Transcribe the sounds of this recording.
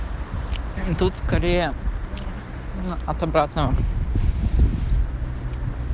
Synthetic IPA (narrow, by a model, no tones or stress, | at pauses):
t̪ut̪skɐɾʲejə | ɐt̪ɐbɾat̪nəʋə